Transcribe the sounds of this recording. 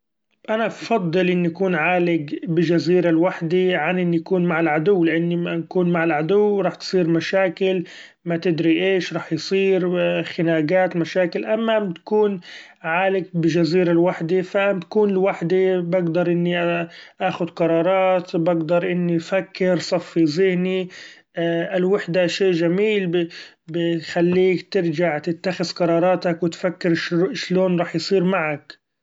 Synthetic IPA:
ʔanafɑd̪ˤːɨlʔɪnːiʔakuːnʕaːlɪɡbɪʒaziːɾalwaħd̪iʕanʔɪnːijakuːnmaʕalʕad̪ʊwːlɪʔanːinkuːnmaʕalʕad̪ʊwːɾˤɑːħt̪sˤiːɾmaʃaːkɪl | mat̪ɪd̪ɾiʔeːʃɾˤɑːħjsˤiːɾxɪnaːɡaːt̪maʃaːkɪlʔamːat̪ḁkuːn | ʕaːlɪɡ̚bɪʒaziːɾalwaħd̪ifat̪akuːnɪlwaħd̪ebaɡd̪ɑɾˤʔɪnːiʔʔaːxʊd̪qɑɾˤɑːɾˤɑːt̪baɡd̪ɑɾˤʔɪnːifakːɪɾsˤɑfːizɪhni | ʔɪlwaħd̪aʃeːʔʒamiːl | bɪxalːiːkt̪ɪɾd͡ʒaʕt̪ɪt̪ːaxɪzqɑɾˤɑːɾˤɑːt̪akwɪt̪fakːɪɾʃʃloːnɾˤɑːħjsˤiːɾmaʕak

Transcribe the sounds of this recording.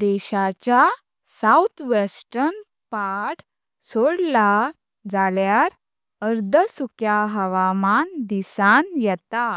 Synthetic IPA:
d̪ɛɕat͡ɕja | sawt̪ʰʋesʈən | paʈ | soɽla | d͡zaljaɾ | əɾd̪ʱəsukjaɦəʋamand̪isanjɛt̪a

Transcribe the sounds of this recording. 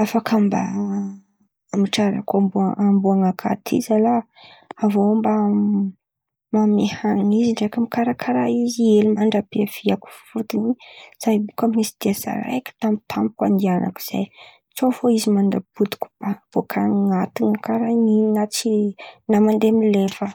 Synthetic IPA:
afakʰamba̰ | miʈ͡ʂaɾa̰kambuaʔambuaŋakʰa̰t̪ʰḭzalaː | vomba | mamehaŋiziɳɖ͡ʐekamikaɾakʰaɾaizielimaɳɖ͡ʐapeafiaku̥fut̪iniz̥ajbukamisi̥d̪̥iasa̰ɾa̰jkə̥t̪amit̪ʰampi̥kwa̰nd̪ianʔa̰ku̥z̥a̰j | t͡sofoizimand̪abud̪i̥kʲu̥b̥av̥okʰaŋat̪iŋakaɾaninat͡sinamand̪emilefə

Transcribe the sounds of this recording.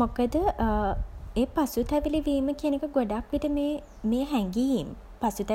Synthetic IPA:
mokəd̪əʔ | eːpasut̪ɛʋiliʋiːməkiənekəɡoɖakʋiʈəmeː | meːɦæŋɡijim | pasut̪ɛ

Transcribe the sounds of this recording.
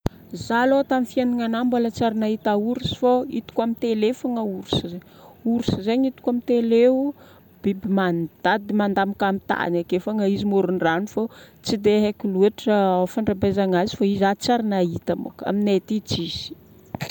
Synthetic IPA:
zaloat̪amifianiŋanambalat͡saɾinait̪auɾusi̥faḭt̪u̥kamit̪elefaŋəuɾusizeɲ | uɾusizeɲit̪u̥kamit̪eleu | b̥ibimand̪̥ad̪imand̪amakamit̪a̰nakefaŋəizimoɾunranufot͡sid̪eɦekiluaʈ͡ʂəawfaɳɖ͡ʐabezaŋazifaizat͡saɾinait̪amo̰ka̰minet̪it͡siz̥i̥

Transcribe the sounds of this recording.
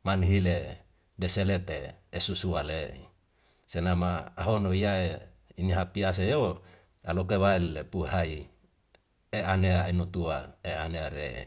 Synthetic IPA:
manɦile | deselet̪eːsusuale | senamaːɦonoijae | iniɦapias̬ejo | alok̬ewaelepuɦai | eaneainut̪uaeaneaɾe

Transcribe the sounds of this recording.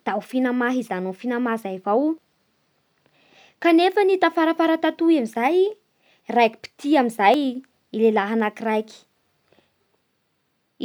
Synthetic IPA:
d̪̥aufinamaɦizanufinamazaivaw | kanefənit̪afaɾafaɾat̪at̪uamizaj | rajkʲi̥pi̥t̪iamizaj | ilelaɦanakirajki̥

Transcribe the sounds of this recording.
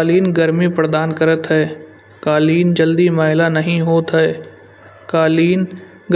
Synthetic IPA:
liːnɡəɾmipɾəd̪aːnkəɾət̪ɦɛː | kaːliːnd͡ʒəld̪imaːɦɪlanɐɦĩɦoːt̪ɦɛː | kaːliːn | ɡ

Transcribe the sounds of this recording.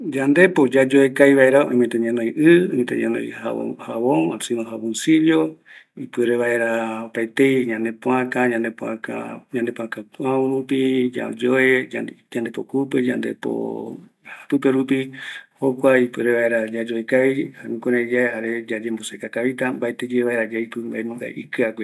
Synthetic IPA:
d͡ʒand̪e̞pod͡ʒad͡ʒoekajβaeɾaõmẽt̪ẽɲãnõjʔɨomẽt̪ḛ̃ɲã̰nõ̰ja̰haβõŋasĩnõɦaβonsiljo | ipɨɾeβaeɾaopaet̪ejɲãnd̪epõãkaɲãnd̪epoã̰ka̰ɲãnd̪epõãkakʷãoɾũpid͡ʒa̰d͡ʒoed͡ʒãnd̪epokuped͡ʒa̰nd̪epo̰ | pɨpeɾupihokʷaipɨɾeβaeɾad͡ʒad͡ʒoekaβihamĩkʷoɾãd͡ʒaehaɾed͡ʒad͡ʒembosekakaβit̪ambaet̪ed͡ʒeeβaeɾad͡ʒaipɨmbaemũŋɡa̰ʔikɨaɡʷe

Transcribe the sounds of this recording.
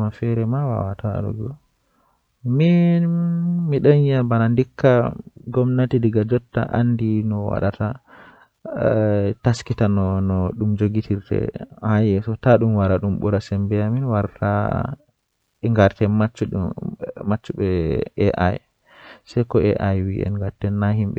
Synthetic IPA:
mafɛɾɛmawa̰wataa̰ɗṵɡɔ̰ | mi | miɗaɲabanandikːaɡɔmnatidiɡad͡ʒɔtːa̰ʔa̰ndinɔwa̰ɗatʰa | taskitanɔnɔɗumd͡ʒoɡitʰiɾtɛ̰hajɛsɔtaɗumwaɾaɗumɓɔ̰ɾasɛmbɛaminwaɾtʰa̰ | ŋɡaɾtɛmat͡ʃːuɗ | mat͡ʃːuɓɛɛʔa̰j | sɛjkɔɛʔajwḭʔɛ̰nŋɡaɾtɛnːaɦimɓɛ̰

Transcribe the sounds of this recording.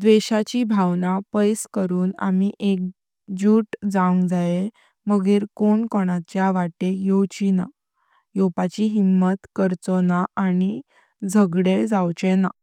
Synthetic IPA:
d̪ʋeɕat͡ɕibʱawnapəjskəɾuːna̰miʔek̚ | d͡ʑuːʈd͡zaŋɡd͡zaje | məɡiːɾkoɳkoɽ̃at͡ɕjaʋaʈejot͡ɕina | jopat͡ɕiɦimːət̪kəɾt͡sɔnaʔani | d͡zʱəɡɽed͡zawt͡ɕɛna

